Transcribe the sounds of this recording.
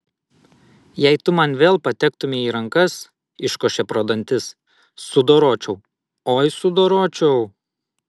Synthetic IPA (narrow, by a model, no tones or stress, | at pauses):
jɛɪt̪ʊmɐnʋʲeːlˠpɐt̪ʲɛkt̪ʊmʲɪiːɾɐŋkɐs | ɪʃkoːʃʲɛpɾoːd̪ɐnʲt̪ʲɪs | sʊd̪oːɾoːt͡ʃʲɛʊ | oːjsʊd̪oːɾoːt͡ʃʲɛʊ